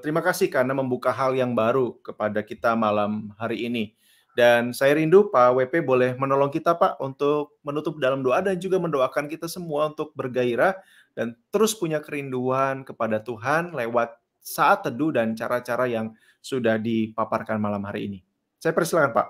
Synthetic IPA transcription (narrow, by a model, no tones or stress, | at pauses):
t̪əɾimakasɪhkarnaməmbukaɦaljaŋbaɾukəpadakit̪amalamɦaɾiːni | dansajaɾindupawepebolɛhmənolɔŋkit̪apaʔunt̪ʊk̚mənut̪ʊp̚dalamdoʔadand͡ʒuɡaməndoakankit̪asəmuaunt̪ʊk̚bərɡaiɾah | d̥ant̪əɾʊspuɲakəɾinduankəpadat̪uɦanlewat̪̚ | saʔat̪ːədudant͡ʃaɾat͡ʃaɾajaŋ | sudahdipaparkanmalamhaɾḭːni | sajapərsilakanpa̰ʔ